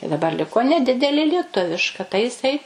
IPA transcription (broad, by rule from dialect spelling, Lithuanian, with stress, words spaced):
ɪ dɐˈbɐr ˈlʲɪkoː nʲɛˈdʲɪdʲɛlʲeː lʲiɛˈtʊʋʲɪʃkɐ tɐɪ jɪˈsɐɪ